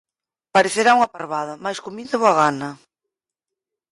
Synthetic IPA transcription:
paɾeθeɾauŋapaɾβaðɐmajskomiðeβoaɣanɐ

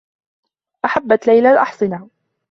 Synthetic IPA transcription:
ʔaħabːat̪lajlalʔɑħsˤɪna

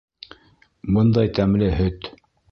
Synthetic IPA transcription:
bɤnd̪ɑjt̪æmlɘɦɵt̪

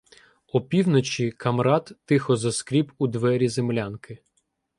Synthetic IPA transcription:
ɔpʲiwnɔt͡ʃʲikɐmɾɑt̪ːɪxɔzɐskɾʲipud̪ʋɛɾʲizemlʲankɪ

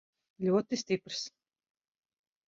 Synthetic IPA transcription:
lʲuɔt̪isʲt̪ipɾs

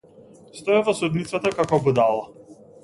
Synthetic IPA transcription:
st̪ɔɛvɔsud̪nit̪sat̪akakɔbud̪alˠa

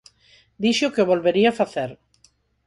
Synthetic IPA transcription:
d̪iʃokeoβolβeɾiafaθeɾ

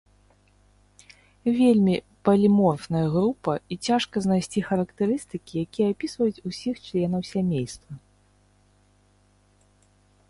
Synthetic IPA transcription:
vʲelʲmʲi | pɐlʲimɔrfnɐjɐɣɾupɐit͡sʲaʂkɐznajsʲt͡sʲixɐɾɐkt̪ɛɾɨst̪ɨkʲijakʲijɛapʲisvɐjut͡sʲusʲixt͡ʂlʲɛnɐwsʲamʲejst̪vɐ

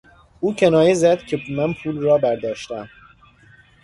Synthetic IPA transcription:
uːcʰe̞nɒːjezæd̪cʰemæmpʰuːlrɒːbæɾd̪ɒːʃt̪æm

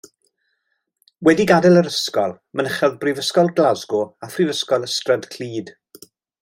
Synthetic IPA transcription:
wɛdiɡadɛlˠəɾəskɔlˠ | mənəχɛðbrɪvəskɔlˠɡlazɡɔafrivəskɔlˠəstrədkʰl̥iːd̥

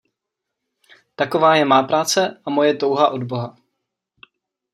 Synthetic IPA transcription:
t̪ako̞vaːjɛmaːpɾaːt͡sɛʔamo̞jɛt̪o̞wɦaʔo̞dbo̞ɦa

